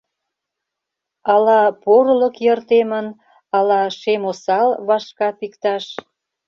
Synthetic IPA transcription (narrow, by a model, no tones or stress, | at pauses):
ɑlɑpoɾlə̆kjərt̪emən | ɑlɑʃemosɑlβɑʃkɑp̪ikt̪ɑʃ